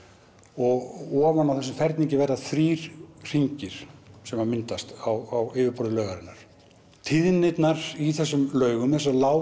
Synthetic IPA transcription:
ɔɣɔːvanawθɛsʏmfɛɾt̪niɲcɪvɛɾðaθɾiːɾ̥r̥iɲcɪɾ̥sɛmamɪnt̪ast̪awawɪːvɪɾpɔɾðɪlœːɣaɾɪnːaɾ̥ | t̪ʰɪðnɪt̪naɾiθɛsːʏmlœːɥɣʏmθɛs̬alaːw

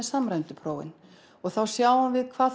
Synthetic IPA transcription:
ɛsamɾajnt̪ʏpʰɾoːwɪ̰n | ɔɣθawsjaːwhanvɪðkʰv̥aː

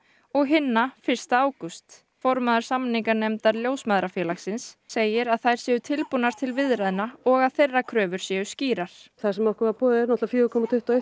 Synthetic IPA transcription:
ɔɣɦɪnːafɪr̥st̪aaːwkʏst̪ | fɔɾmaðʏɾ̥samniŋkanɛmt̪aɾljoːwsmaðɾafjɛːlaxsɪnsːeːjɪɾaðθajɾ̥sjɛʏt̪ʰɪlpunaɾ̥t̪ʰɪlvɪðɾaðɪnaɔɣaðθejrːakʰɾœːvʏɾ̥sjɛʏsciːɾaɾ̥θasɛmɔhkʏɾvaɾpɔːðɪɾnɔht̪lvafjʏːvʏkʰɔmat̪ʰʏht̪ːaeh

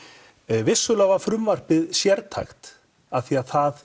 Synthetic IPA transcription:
vɪsːʏlavafɾʏmvar̥pɪðsjɛɾt̪ʰa̰jxt̪ | aθiaθað

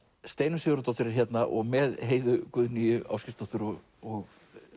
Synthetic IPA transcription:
st̪eːjnʏsʏɣɾʏt̪ɔht̪ʏɾɪɾçjɛt̪naʔɔ̰ɣmɛðɦeːjðʏkʏðnijʏa̰ːwscɪfst̪ɔht̪ʏɾɔɣ | ɔɣ

